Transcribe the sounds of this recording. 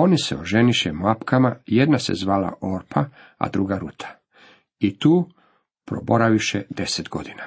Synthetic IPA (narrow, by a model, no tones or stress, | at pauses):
o̞nisḛoʒeniʃemapkʰamajed̪nasḛzʋaːla̰ʔoɾpʰa | a̰d̪ɾuɡaɾuːt̪ʰḁ | it̪uː | pɾo̞̰bo̞ɾaʋiʃed̪e̞set̪ɡo̞d̪ina